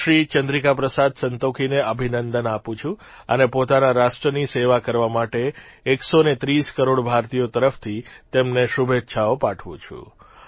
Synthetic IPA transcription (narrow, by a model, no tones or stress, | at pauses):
ʃɾit͡ʃənd̪ɾikapɾəsad̪sənt̪okʰineəbʱinənd̪ənapũt͡ʃʰũ | ə̰nepot̪anaɾaʃʈɾəniseʋakəɾʋamaʈeː | ksonet̪ɾiskəɾoɽbʱaɾt̪ijot̪əɾəft̪ʰit̪emneʃubʱet̪ːʃʰaopaʈʰʋṵ̃t͡ʃʰṵ̃